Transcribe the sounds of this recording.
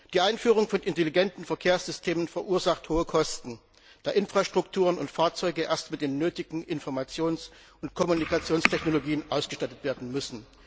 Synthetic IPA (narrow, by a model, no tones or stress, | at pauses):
d̥iːʔaɪnfyːʁ̞ʊŋfɔnʔɪnteliɡɛntn̩fɛɐkʰeːɐsz̥ʏstʰeːmənfɛɐʔuːɐzaχthoːəkʰɔstn̩ | d̥aːʔɪnfʁ̥aʃtʁ̥ʊktʰuːʁənʊntfaːɐt͡sɔʏɡəʔeːɐstmɪt̚d̥eːnːøːtɪɡŋ̩ʔɪnfɔɐmat͡sjoːns | ʔʊntkʰɔmunikat͡sjoːnstʰɛçnoloɡiːənʔaʊsɡ̥əʃtatətv̥eːɐdn̩mʏsn̩